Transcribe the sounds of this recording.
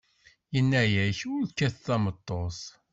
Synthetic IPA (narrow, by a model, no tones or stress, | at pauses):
jənːæjæçʊɾðkːæθθæmət̪ˤːos